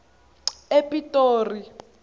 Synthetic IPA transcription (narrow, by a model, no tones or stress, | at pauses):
epʼitʼoːri